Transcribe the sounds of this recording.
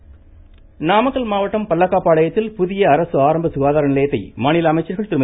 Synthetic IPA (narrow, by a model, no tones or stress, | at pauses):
naːmɐkːɐlmaːʋɐʈːɐmpɐlːɐkːaːpːaːɭɐjɐt̪ːɪlpʊðɪjɐːɾɐsɯaːɾɐmbɐsʊɣaːðaːɾɐnɪlɐjɐt̪ːɐɪmaːnɪlɐɐmɐɪt͡ʃːɐɾɣɐɭt̪ɪɾɪmɐ